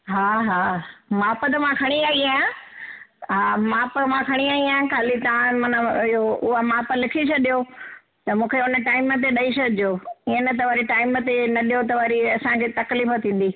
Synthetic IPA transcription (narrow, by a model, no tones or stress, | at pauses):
ɦaːɦaːmaːpət̪ɐmãkʰɐɽ̃iaːiaːjã | ɦaːmaːpmãkʰɐɽ̃iaːiaːjãkʰaːlit̪ɐʋãmɐnəɪɦoʊɦamaːpə̆lɪkʰiʃɐɗijo | t̪ɐmũːkʰeʊnəʈaːɪmət̪̬eɗɐiʃɐd͡ʒjoːiənət̪ɐʋaːɾiʈaːɪmət̪enɐɗijot̪ɐʋaːɾiɐsãkʰeːt̪ɐkliːfət̪ʰĩːn̆d̪iː